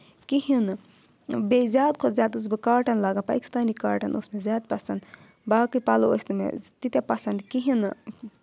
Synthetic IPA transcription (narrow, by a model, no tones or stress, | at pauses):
kiɦin | bezʲaːd̪kʰozjaːd̪us̬bɨkaːʈʰɐnlaːɡɐnpa̰ːki̥st̪aːnikaːʈʰɐnʔusmezʲaːd̪̚pɐsɐnd̪ | baːkɨpaloosʲt̪mḛt̪it̪ʲepɐsɐnd̪kiɦin